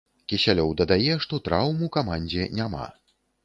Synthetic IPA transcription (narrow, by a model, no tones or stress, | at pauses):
kʲisʲalʲɔwd̪ɐd̪ajɛʂt̪ɔt̪ɾawmukamanʲd͡zʲɛnʲama̰